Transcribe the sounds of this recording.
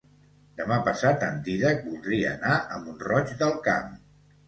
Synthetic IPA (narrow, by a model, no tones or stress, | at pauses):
d̪əmapəsat̪ə̰nd̪iðək̚bulˠd̪ɾiəːnaʔəmbunrɔt͡ʃd̪əlˠka̰m